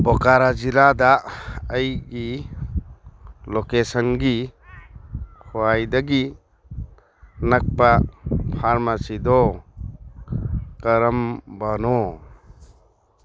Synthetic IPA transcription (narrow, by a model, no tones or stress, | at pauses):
bɔkaɾad͡ʒilad̪aəjɡi | lokesənɡi | kʰoajd̪aɡi | nak̚papʰaɾmasid̪ɔ | kɐɾəmbanɔ